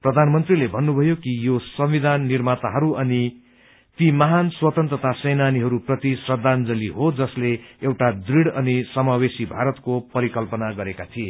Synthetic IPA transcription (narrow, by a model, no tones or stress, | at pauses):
prʌd̪ʱanmʌnt̪rilebʱʌnːubʱʌjokijosʌmwid̪ʱanːirmat̪aɦʌɾuʌni | t̪imʌɦanswʌt̪ʌnt̪rʌt̪asʌjnaniɦʌɾuprʌt̪isrʌd̪ʱːand͡zʌliɦod͡zʌsleewʈad̪riɽʌnisʌmawesibʱaɾʌt̪kopʌɾikʌlpʌnaɡʌɾekat̪ʰie